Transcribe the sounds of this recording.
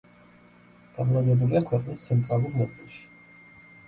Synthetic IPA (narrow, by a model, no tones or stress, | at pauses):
ɡ̥aɾlad̪ɛbuliakʰwɛqʼnist̪sʰɛnt̪ʼɾalˠuɾmɛt̪sʼilˠʃi̥